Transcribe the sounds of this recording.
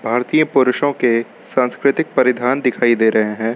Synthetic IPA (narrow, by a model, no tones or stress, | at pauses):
bʱaːɾt̪iːjə̃pʊɾʊʃõke | sãːnskɾɪt̪ɪk̚pɐɾɪd̪ʱaːnd̪ɪkʰaːid̪eːɾɐɦeɦɛ̃ː